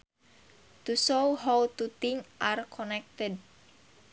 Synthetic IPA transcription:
t̪usoɦawt̪ut̪ɪŋʔarkʰɔnɛk̚t̪əd̚

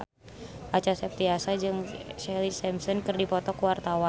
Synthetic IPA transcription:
ʔat͡ʃasɛp̚t̪iasad͡ʒɨŋt͡ʃɛlisɛmsɔnkɨrdipɔt̪ɔkəwart̪awa

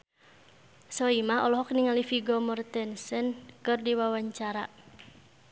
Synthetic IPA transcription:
sɔimahɔlɔɦɔkniŋalifiɡɔmɔrt̪ɛnsɛnkɨrdiwawaɲt͡ʃaɾa

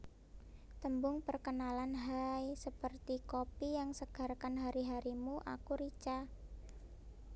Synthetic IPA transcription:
t̪əmbʊŋpərkənalanɦajsəpərt̪ikopijaŋsəɡ̥a̤rkanɦaɾiɦaɾimuʔa̰kuɾit͡ʃa

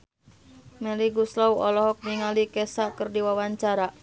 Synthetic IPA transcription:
mɛliɡuslɔwɔlɔɦɔk̚niŋalikɛsakərdiwawaɲt͡ʃaɾa

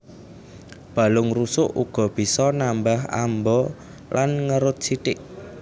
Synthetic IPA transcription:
b̥a̤lʊŋrusʊʔuɡ̥ɔ̤b̥i̤sɔnambaha̰mbɔ | lʔanŋəɾʊt̪̚siʈ̪ɪʔ

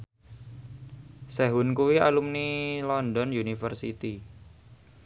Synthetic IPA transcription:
sɛɦʊnkuwia̰lumnilɔndɔnjunifərsit̪i

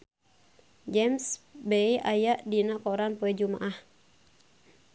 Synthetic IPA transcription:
d͡ʒɛmsbɛiʔajaʔdinakɔɾanpuɛd͡ʒumaʔah

